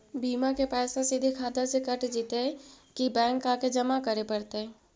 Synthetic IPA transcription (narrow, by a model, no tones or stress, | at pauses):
biːmakepɛːsãsid̪ʱikʰaːd̪asekəʈd͡ʒiːt̪eɦɛ̃ | kibɛ̃ːŋkaːked͡ʒɐmakəɾepɐɾt̪eɛ̃